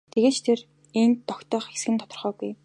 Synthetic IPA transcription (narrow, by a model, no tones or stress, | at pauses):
t̪ʰeɣeːt͡ɕt̪ʰer | ent̪ːɔkt̪œːχxesɡɘ̆nt̪ʰɔt̪ɞ̆rχœːɡuj